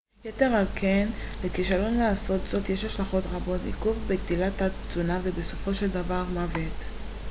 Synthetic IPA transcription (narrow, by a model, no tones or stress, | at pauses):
jete̞ʁalkʰe̞nlekiʃalo̞nlaːso̞t̪z̥o̞tjeʃhaʃlaχo̞tʁabo̞tḭkuvbeɡdilata | t͡sunavebeso̞fo̞ʃe̞ldavaʁmavet̪